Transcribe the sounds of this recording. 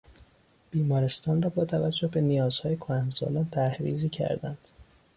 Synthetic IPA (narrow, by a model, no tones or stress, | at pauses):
b̥iːmɒːɾe̞st̪ɒːnrɒːbɒːt̪ʰævæd͡ʒːohbe̞nijɒːz̥hɒːjekʰoæmzɒ̰lɒːnt̪ʰæɾhvḭːziːcʰæ̰ɾd̪ænd̪̥